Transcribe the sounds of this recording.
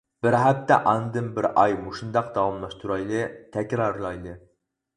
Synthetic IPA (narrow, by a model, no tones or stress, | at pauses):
b̥ɪɾɦæp̚t̪ːɛ̰ʔɑnd̪ɨmbɪɾɑjmuʃund̪ɑqd̪ɑwɑmlˠɑʃt̪ʰuɾɑjlˠɨt̪ʰækʲɾɑɾlˠɑjlˠɨ